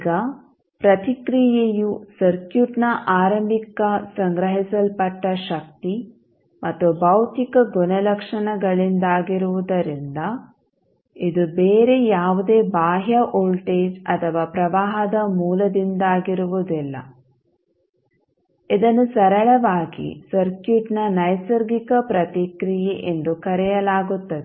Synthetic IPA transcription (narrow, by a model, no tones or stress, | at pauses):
ɡɐ | pɾɐt̪ikɾijejusɐɾkjuʈnɐʔaːɾɐmbʱikɐsɐŋɡɾɐɦisɐlpɐʈːɐʃɐk̚t̪i | mʔɐt̪ːubɐwt̪ikɐɡunɐlɐkʂɐnɐɡɐɭind̪aːɡiɾuʋud̪ɐɾind̪ɐ | id̪ubeːɾejaːʋud̪e̞ːbaːɦjɐʔoːlʈeːd͡ʒɐt̪ʰɐʋaːpɾɐʋaːɦɐd̪ɐmuːlɐd̪ind̪aːɡiɾuʋud̪ilːɐ̰ | id̪ɐnːusɐɾɐɭɐʋaːɡḭsɐɾkjuʈnɐnɐjsɐɾɡikɐpɾɐt̪ikɾijeʔend̪ukɐɾɛjɐlaːɡut̪ːɐd̪e